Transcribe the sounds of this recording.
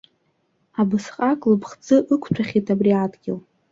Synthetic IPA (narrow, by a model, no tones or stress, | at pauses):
abɨsqʼakʼlɨpʰχt͡sʼɨʔɨkʷʰt͡ʃʷʰaχʲitʰabriadɡʲɪl